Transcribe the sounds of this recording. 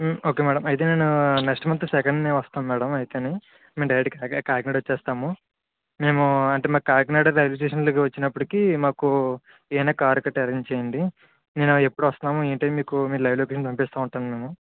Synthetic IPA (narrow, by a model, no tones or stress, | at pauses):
o̞ːke̞ːmɛːɽɐmɐjt̪eneːnuneksʈɐmɐnt̪ɐsɛkɐɳɖneːʋɐst̪aːnmɛːɽɐmɐjt̪eːni | meːmɖɐjɐɖikɐkaːɾkneːɽʋɐt͡ʃːɛːst̪aːmu | me̞ːmuɐɳʈeːmaːkkaːɾkneːɽɐɾlɐjloːk̬eʂɐnloːkiʋɐt͡ʃːinɐpːuɽikiːmaːku | eːnaːkaːɾukɐʈɐɾɐɲt͡ʃeːjɐɳɖi | neːnuepːuɽuʋɐst̪unaːmueːɳʈɐmiːkumiːɾulɐjʋloːkeːʂɐnt̪ɐmpeːst̪aːuɳʈaːnume̞ːmu